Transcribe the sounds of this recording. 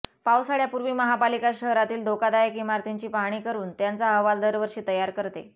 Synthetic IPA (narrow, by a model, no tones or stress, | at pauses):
pawsaɽjapuɾʋiːməɦapalikaɕəɦɾat̪iːld̪ʱokad̪ajəkimaɾt̪ʰeɲt͡ɕiːpaɦɽ̃iːkəɾuːnt̪jant͡saəʋald̪əɾʋəɾɕiːt̪əjaɾkəɾt̪ḛ